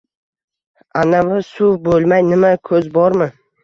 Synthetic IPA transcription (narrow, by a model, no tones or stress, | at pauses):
anavɪsʊbolˠmajnɪmakʰɵzbɒɾmɪ